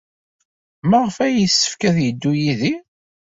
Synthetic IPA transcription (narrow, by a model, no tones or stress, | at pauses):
məʁəfæjəsːə̥fkæðjəd̪ːujiði